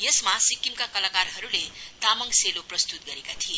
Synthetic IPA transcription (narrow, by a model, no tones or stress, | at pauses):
jesmasikimkakʌlakarɦʌɾulet̪amʌŋseloprʌst̪ut̪̚ɡʌɾekat̪ʰije